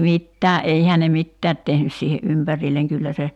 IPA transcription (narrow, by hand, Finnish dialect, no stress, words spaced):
mitːæː ʔeihæː ne ne mitːæːt tehnys siːhe ʔympærilːeŋ kylːæ se